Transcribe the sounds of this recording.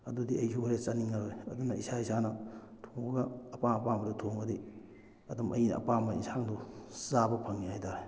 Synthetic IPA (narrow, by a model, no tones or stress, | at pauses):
ɐdudiɐjsuhajɐt͡ʃɐniŋːɐɾojɐdunɐisaisanɐ | tʰoŋbɐɡɐːpaɐpamɐdutʰoŋbɐdi | ɐdumʔɐ̰jnɐ̰ɐ̰pamɐḭnsaŋduzabɐpʰɐŋihajtʰaɾe